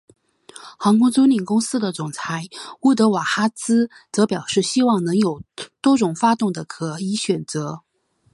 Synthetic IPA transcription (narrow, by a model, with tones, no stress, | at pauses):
xɑ˧˥ŋkʊ˥ŋt͡su˥ni˨˩nkʊ˥ŋsɹ̩˥d̪ə˨t͡sʊ˨˩ŋt͡sʰa˧˥ɪu˥˩t̪̬ɤ˧˥wa˨˩xa˥t͡sɹ̩˥ | t͡sɤ˧˥pjɑ˨˩ʊʂɻ̩˥˩ɕi˥wɑ˥˩ŋnɤ˧˥ŋjo˨˩ʊt̪wɔ˥ʈ͡ʂʊ˨˩ŋfa˥t̪ʊ˥˩ŋd̪ə˩kʰɤ˨˩i˧˥ɕɥɛ˨˩nt͡sɤ˧˥